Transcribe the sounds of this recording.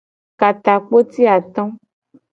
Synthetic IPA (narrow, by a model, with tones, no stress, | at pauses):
ka˨t̪a˨k͡po˦t̪i˦a˨t̪ɔ̃˦